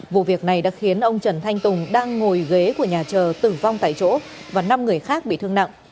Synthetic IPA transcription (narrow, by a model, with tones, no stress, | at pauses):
vṵ˧˨vi˨˩ək̚na˨˩jɗa̰ː˧˥xi˨˦ənʔə˧wŋ͡mt͡ɕə˧˩nt̪ʰa˧jŋ̟t̪ʊ˨˩ŋ͡mɗaː˧ŋːo˨˩jɣe˨˦ku˧˩əɲaː˨˩t͡ɕəː˨˩t̪ɨ˨˩va˧wŋ͡mt̪a̰ː˧˨jt͡ɕo̰˧˥ | vaː˨˩na˧mŋɨ˨˩əjxaː˦˥k̚ɓḭ˧˨t̪ʰɨ˧ŋna̰˧˨ʔ